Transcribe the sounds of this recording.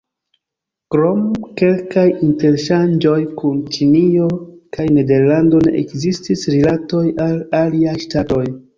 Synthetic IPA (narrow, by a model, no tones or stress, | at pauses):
kɾo̞mke̞lkajinte̞ɾʃand͡ʒo̞jkunt͡ʃiniokajne̞de̞ɾlando̞ne̞̰ʔekzistisɾilato̞jalaliajʃtato̞j